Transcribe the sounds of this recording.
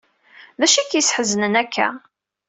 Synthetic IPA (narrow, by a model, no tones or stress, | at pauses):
ðæʃikjəsħəzənənækʰːæ̰